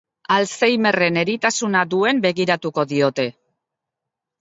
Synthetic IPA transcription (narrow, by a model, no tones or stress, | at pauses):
alsejme̞re̞ne̞ɾit̪asunad̪ue̞mbe̞ɣiɾat̪uko̞ðio̞t̪e̞